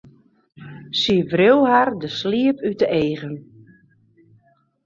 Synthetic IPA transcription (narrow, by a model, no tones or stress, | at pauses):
sivriwhardəsliəpydəeːɣən